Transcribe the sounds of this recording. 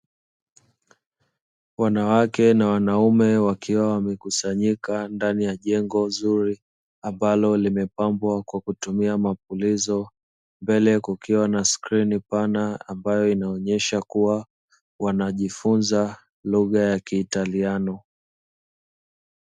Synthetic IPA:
wanawakɛnawanaumɛwakiwawamɛkusaɲikandanijaʄɛŋɡɔzuɾi | ambalɔlimɛpambwakwakutumiamapulizɔ | mbɛlɛkukiwanaskɾinipanaambajɔinaɔɲɛʃakuwa | wanaʄifunza | luɣajakiːtalianɔ

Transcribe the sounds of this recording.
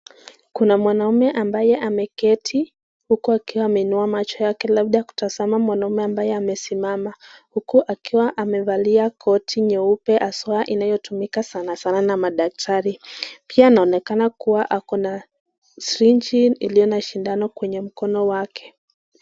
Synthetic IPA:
kunamwanaumɛʔambajɛʔamɛkɛtʰi | hukuakiwaːmɛinuamat͡ʃɔjakɛlaɓ̚ɗajaku̥tazamamwanaumɛambajɛamɛsimamahukuʔakiwaʔamɛvaliakʰɔtʰiɲɛupɛʔaswaaʔinajɔtumikasanasananamaɗak̚tʰaɾipianaɔnɛkanakuwaʔakɔna | sɾiɲd͡ʒiilijɔnaʃindanɔkwɛɲɛm̩kɔnɔwakʰɛ̥

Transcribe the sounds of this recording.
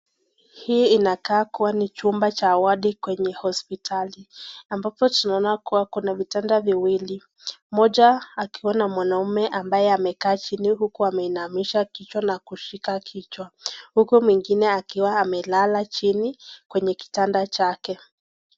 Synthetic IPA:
hiːinakaːkuwanit͡ʃumbat͡ʃaːwaɗikwɛɲɛhɔspitʰaliambapɔtunaɔnakuwakunavitandaviwili | mɔʄaːkiwanamwanaumɛʔambajɛamɛkaːt͡ʃiniɦukuamɛinamiʃakit͡ʃwanakuʃikakʰit͡ʃwahukumwiŋɡinɛakiwaːmɛlalat͡ʃinikwɛɲɛki̥tandat͡ʃakɛ

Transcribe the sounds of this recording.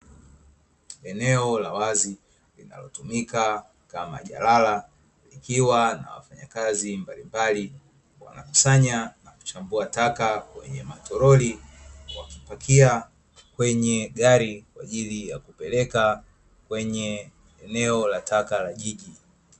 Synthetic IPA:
ɛnɛɔlawazi | lina̰lɔtumika | kama̰ʄa̰lala | likiwana̰wa̰faɲa̰kazimbalimbali | wa̰na̰ku̥saɲanaku̥t͡ʃambuatakawɛ̰ɲɛmatɔɾɔliwakipakʰia | kwɛɲɛɠaɾikwaʄilijakupɛlɛka | kwɛɲɛ | ɛnɛɔlatʰakalaʄiʄi

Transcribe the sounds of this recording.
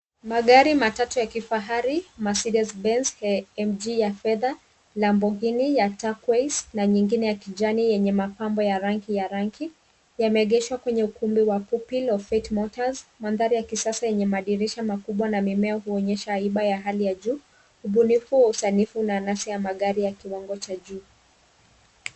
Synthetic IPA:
maɠaɾimatatujakifaɦaɾimasidasbɛnsɛmd͡ʒijafɛða | lambɔɡinijatakwesnaɲiŋɡinɛjakid͡ʒanijɛɲɛmapambɔjaɾaŋkijaɾaŋkʰi | jamɛːɠɛʃwakwɛɲɛukumbiwapupilɔfɛtmɔtazmanðaɾijakisasajɛɲɛmaɗiɾiʃamakuɓwanamimɛahuɔɲɛʃaːiɓajaɦalijaʄuː | uɓunifuwausanifunanasijamaɠaɾijakiwaŋɡɔt͡ʃaʄuː

